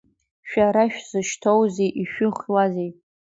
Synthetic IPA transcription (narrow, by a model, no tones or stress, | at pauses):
ʃᶣaɾaʃᶣzɨʃtʰowzejʔiʃᶣʊχʷwazejʼ